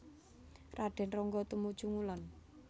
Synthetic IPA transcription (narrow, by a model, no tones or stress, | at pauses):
raɖ̥ɛ̤nrɔŋɡɔt̪umud̥ʒ̥ṳŋulɔn